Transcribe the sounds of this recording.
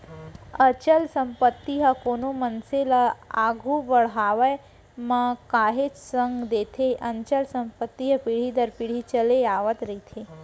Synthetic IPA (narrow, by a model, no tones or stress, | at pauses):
ət͡ʃəlsəmpət̪ːiɦəkoːnomənselaa̰ɡʱubəɽɦaːʋəj | mãkaːɦet͡ʃsəŋɡd̪eːt̪ʰeʔɐ̃ɲt͡ʃəlsəmpət̪ːiɦəpiɽ̤id̪əɾpiɽ̤it͡ʃəleaːʋət̪ɾəit̪ʰe